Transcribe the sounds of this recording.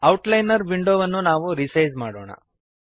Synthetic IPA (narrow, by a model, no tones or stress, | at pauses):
ɐwʈlɐjnɐɾʋiɳɖoːʋɐnːunaːʋuɾisɐjzmaːɽo̰ːɳɐ̰